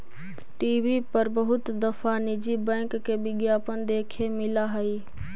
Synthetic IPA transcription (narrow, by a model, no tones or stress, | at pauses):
ʈiːʋipəɾbəɦʊt̪d̪əfʰanɪd͡ʒibɛ̃ːŋkːebɪɡjaːpənd̪eːkʰemɪlaɦəi